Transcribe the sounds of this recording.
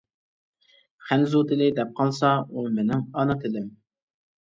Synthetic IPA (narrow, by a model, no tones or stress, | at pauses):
χænzut̪ɪlɪd̪ɛp̚qʰɑlˠsɑumɪnɪŋɑnɑt̪ʰɪlɪm